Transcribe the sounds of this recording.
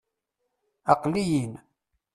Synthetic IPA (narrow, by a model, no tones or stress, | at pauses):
ɑqlijin